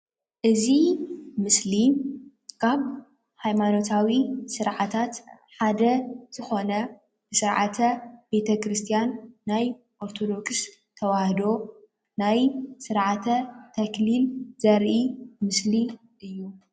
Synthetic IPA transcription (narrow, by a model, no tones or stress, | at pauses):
ʔɨzimɨsli | kʰaβ | hajmano̞t̪ʰawisɨɾʕat̪ʰat̪ | ħad̪ɐz̥ɨxo̞nɐ | b̥ɨsɨɾʕa̰t̪ʰɐb̥e̞t̪ʰɐkɾɨst̪ʰijanːaj | ʔoɾt̪ʰo̞d̪o̞ks | t̪ʰɐwahd̪o̞ | najsɨɾʕat̪ʰɐt̪ʰɐklilz̥ɐɾʔimɨsli | ʔɨjːu